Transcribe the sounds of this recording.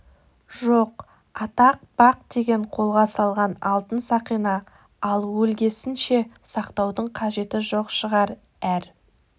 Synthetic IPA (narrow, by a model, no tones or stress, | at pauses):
ʒoq | ɑt̪ɑq̚b̥ɑq̚d̪e̞ɡʲe̞ɴqʰo̞lˠʁɑsɑlˠʁɑnɑlˠt̪ənsɑqijnɑ | ɑlˠwɵlɡʲe̞sɪnʃe̞ | sɑqt̪ɑwd̪əɴqʰɑʒe̞t̪ɪʒo̞qʃəʁɑɾ | æɾ